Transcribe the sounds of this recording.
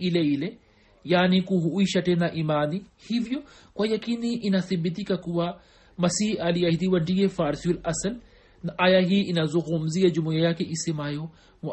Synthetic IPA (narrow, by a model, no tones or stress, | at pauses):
ileile | jaːnikuɦuʔiʃɐʈenaʔimaːnihivijokwajɐkiniʔinasibːit̪̬ikakuwa | mɐsiːalijɐhid̪iwɐɖijefaːɾsiulɐsɐl | naʔajaɦiinazoɣumzijed͡ʒumujɐjakeʔisemaːjo | m